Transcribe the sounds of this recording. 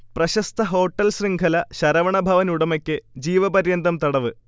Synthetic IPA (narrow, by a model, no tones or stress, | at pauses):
prɐɕɐst̪ʰɐɦo̞ːʈːɐlsriŋɡʰʱɐlɐɕɐɾɐʋɐɳɐbʱɐʋɐnuɽɐmɐkʲːɨd͡ʑiːʋɐbɐɾjɐnd̪ɐmt̪ɐɽɐʋɨ